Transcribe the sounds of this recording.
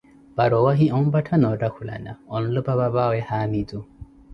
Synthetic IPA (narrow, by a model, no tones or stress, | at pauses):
b̥aɾɔwaɦiɔmbatʰanɔɖakʰula̰naɔnlɔbababawɛhaːmid͡zu